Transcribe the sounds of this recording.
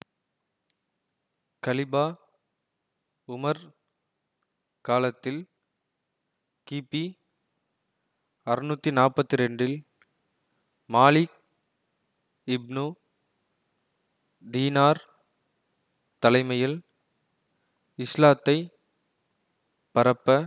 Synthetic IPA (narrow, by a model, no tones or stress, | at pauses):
kɐlɪbaː | ʊmɐɾ | kaːlɐt̪ːɪl | kiːpːi | ɐrɯnuːt̪ːinaːrpːɐt̪ːɪɾɛɳɖɪl | maːlɪk̚ | ɪbnu | d̪iːnaːɾ | t̪ɐlɐɪmɐjɪl | ɪslaːt̪ːɐɪ | pɐɾɐpːɐ